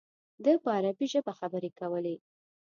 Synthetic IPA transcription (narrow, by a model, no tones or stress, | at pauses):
d̪əpəaɾabiʒəbaxabəɾekawəle